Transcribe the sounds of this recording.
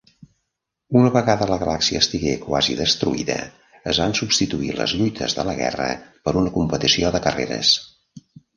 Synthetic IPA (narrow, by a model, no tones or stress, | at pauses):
unəβəɣaðələɣəlaksiəːst̪iɣekwa̰ziðəst̪ɾuiðə̰ | əzβansubst̪it̪uilə̰zʎujt̪ʰəzðələɣɛ̰rə̰pəɾunəkumpət̪isioðəkərḛɾə̰s